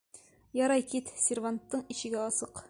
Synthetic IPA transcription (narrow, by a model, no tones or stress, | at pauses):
jɒɾɑjkit̪sʲɪrvant̪ːɤɴiɕɘ̆ɡæɒsɤq